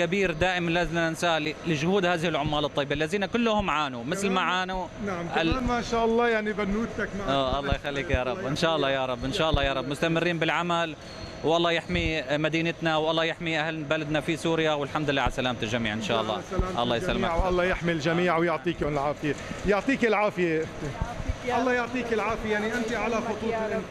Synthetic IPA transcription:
kabiːɾd̪aːʔɪmanlazɪnansaːllɪʒʊhuːd̪haːðɪhɪlʕʊmːaːlɨt̪ˤːɑjːbalːaziːnakʊlːʊhʊmʕaːnumɪθlmaʕaːnunʕmʔamaʃaːʔɑlˤːɑːjaʕnibanːuːt̪akʔaːʔɑlˤːɑːjxalːiːkjɑːɾˤɑbːʔɪnʃaːʔɑlˤːɑːjɑɾˤɑbːʔɪnʃaːʔɑlˤːɑːjɑːɾˤɑbːmʊst̪amɪrːiːnbɪlʕamal | wʔɑlˤːɑːjɪħmimad̪iːnɪt̪nawʔɑlˤːɑːjɪħmiʔahlbalad̪nafisuːɾɪjawɪlħamd̪lːaːʕalsalaːmt̪ɪlʒamiːʕʔɪnʃa̰ːʔɑlˤːɑ̰ːʔɑlˤːɑːjɪsalːmʕwʔɑlˤːɑːjɪħmilʒamiːʕwjʊʕt̪ˤiːkʊnɪlʕaːfɪjejʊʕt̪ˤiːkɪlʕaːfɪje | ʔɑlˤːɑːjʊʕt̪ˤiːkɪlʕaːfɪjejaʕniʔɪnt̪iʕalaxʊt̪ˤuːɪʔɪ

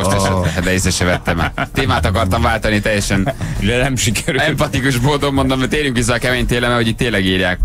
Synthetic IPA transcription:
oʃt̪ɛʃɛɛɛd̪ɛisɛʃɛvɛt̪ːɛmat̪eːmaːt̪ɒkɒrt̪ɒɱvaːlt̪ɒnit̪ɛjːɛʃɛnd̪ɛnɛmʃikɛɾyɛmpɒt̪ikuʃboːd̪omːo̞nd̪omːɛt̪eːɾjyŋkʋis̬ːɛːkɛmeːɲt̪eːlɛmɛho̞ɟiːt̪ːeːlɛɡiːrjaːk

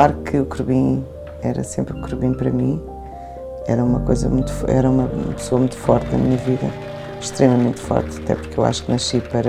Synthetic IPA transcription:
aɾkʰɨukɾuβĩ | ɛɾɐ̰sẽmpɾũkɾuβĩpɐɾɐmĩ | ɛɾɐumɐkojzɐ̰mũj̃t̪u̥fɛ̰ɾɐumɐumɐpsoɐmũj̃t̪u̥fɔɾt̪nɐ̰miɲɐviðɐ̰ | ʃt̪ɾemɐmẽnt̪fɔ̰ɾt̪ɐ̥t̪ɛ̰pu̥ɾkewa̰ʃu̥knɐʃipɐɾɐ

